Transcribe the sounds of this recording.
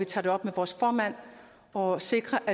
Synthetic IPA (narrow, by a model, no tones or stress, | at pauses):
it͡sʰɑ̈ːd̥e̝ɒ̽b̥meʋɒːsfɒːmæn̰ | ɒ̽se̝ɡ̥ʁɐʔæ